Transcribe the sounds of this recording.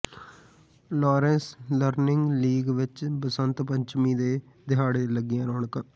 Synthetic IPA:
lɔːɾɛ̃ːnsləɾnɪŋɡliːɡʋɪt͡ʃbəsənt̪pəɲt͡ʃmĩːd̪eː | d̪ɪɦaːɽeːləɡɪjãːɾoːɳəkə

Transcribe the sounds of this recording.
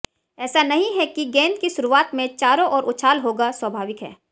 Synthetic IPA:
ɛːsanɐɦĩɦɛkiɡɛ̃ːnd̪̚kiʃʊɾuaːt̪mẽt͡ʃaːɾõʔɔːɾʔʊtːʃʰaːlɦoːɡaswɐbʱaːʋɪkɦɛ̰ː

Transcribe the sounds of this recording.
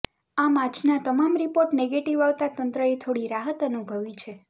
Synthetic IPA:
amãt͡ʃnat̪əmamɾipoɾʈneɡeʈiʋaʋt̪at̪ənt̪ɾəet̪ʰoɽiɾaɦət̪ənubʱəʋit͡ʃʰe

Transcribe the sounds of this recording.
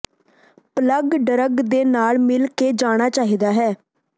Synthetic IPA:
pələɡɖəɾəɡd̪eːnaːlmɪlkeːd͡ʒaːɽ̃aːt͡ʃaːɦiːd̪aːɦɛː

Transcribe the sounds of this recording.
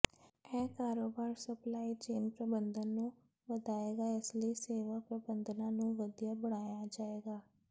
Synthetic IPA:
ɛ̃ːkaːɾoːbaːɾsəplaːiːt͡ʃeːnpɾəbənd̪ənːũː | ʋəd̪aːeːɡaːɪsləiːseːʋaːpɾəbənd̪nãːnũːʋəd̪ijaːbəɽ̃aːjad͡ʒaːeːɡaː

